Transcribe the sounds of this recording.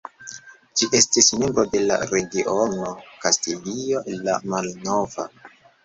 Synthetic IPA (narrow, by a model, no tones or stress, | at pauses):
d͡ʒiʔe̞stismembɾo̞de̞la̰ɾe̞ɡiʔonokastilio̞ʔelːa̰malnova̰